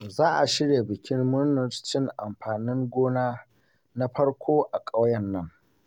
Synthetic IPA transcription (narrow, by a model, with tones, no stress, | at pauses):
zaː˦ʔa˨ʃɪ˦ɽjeː˨bɪ˨kʲʰɪ˦rmʊ˦ɾnʊ˨ɾt͡ʃɪ˦ŋʔa˨mɸaː˨nɪ˦ŋɡʷoː˦naː˦ | na˦ɸɐ˦ɽkʷʰoː˦ʔa˨kʼa˦wjɐ˦˨nːɐ˦ŋ